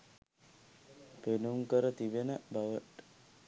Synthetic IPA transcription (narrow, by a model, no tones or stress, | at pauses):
penuŋkəɾət̪iʋenəbaʋəʈ